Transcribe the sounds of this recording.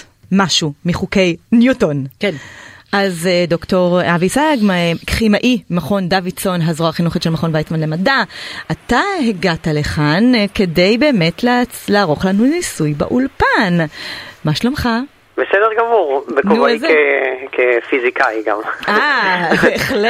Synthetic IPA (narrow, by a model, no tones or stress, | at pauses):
maʃumiχuke̞jnjutonkenʔazdoktoʁavisaɡmakχimaʔimaχo̞ndavit͡so̞nɦazʁoaχinuχitʃelmaχo̞nvajtmanle̞madaʔataheɡataleχanke̞de̞jbe̞ːme̞tlalaːʁo̞χlanulnisujba̰ʔulpanmaʃlomχa | besedeʁɡamuʁbenkouezekefizikaiɡa̰maveːχle